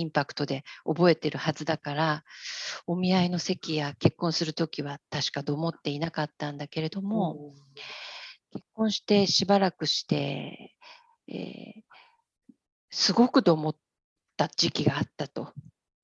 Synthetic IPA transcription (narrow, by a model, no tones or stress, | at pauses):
ĩmpakɯ̥t̪o̞d̪e̞o̞bo̞e̞t̪e̞ɾɯ̟hazɨd̪akaɾa | o̞mʲiaino̞se̞kʲijake̞kːõ̞ɰ̃sɨɾɯ̟t̪o̞kʲiβ̞at̪aɕi̥kad̪o̞mo̞t̪ːe̞inakat̪ːãnd̪ake̞ɾe̞d̪o̞mo̞ | ke̞kːõ̞ɰ̃ɕi̥t̪e̞ɕibaɾakɯ̟ɕi̥t̪e̞̰ | ḛː | sɨɡo̞kɯ̟d̪o̞mo̞t̪ː | ad͡ʑikʲiɡaːt̪ːat̪o̞